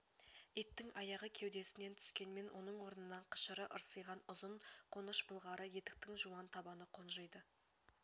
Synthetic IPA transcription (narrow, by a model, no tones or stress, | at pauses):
et̪ːɪŋɑjɑʁəkʲʰe̞wd̪e̞sɪne̞nt̪ʰʏ̥skʲe̞nme̞nwʔo̞nəɴwo̞ɾənənɑɴqʰə̥ʃəɾəʔəɾsəjʁɑnʊzəɴqʰo̞nəʃbəlˠʁɑɾəje̞t̪ɪ̥k̚t̪ɪŋʒuwɑnt̪ʰɑbɑnəqʰo̞nʒəjd̪ə